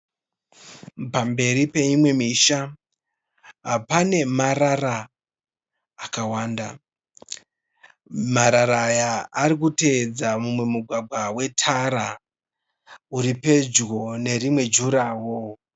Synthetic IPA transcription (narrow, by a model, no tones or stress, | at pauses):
pambe̞ɾipe̞imwe̞miʃa | ɦapane̞maɾara | kawaːnda | maɾaɾajaːɾik̬ute̞d͡zamumwe̞muɡʱwaɡʱwawe̞tʰaɾa | uɾipe̞d͡ʒɣo̞ne̞rimwe̞d͡ʒuɾaːwo̞